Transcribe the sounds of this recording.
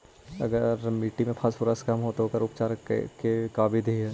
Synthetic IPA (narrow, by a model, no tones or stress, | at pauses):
ɐ̰ɡəɾmiːʈimẽpʰaspʊɾəskɐmɦot̪oɦokəɾʊp̚t͡ʃaːɾ̰kekaːbid̪iɦɛː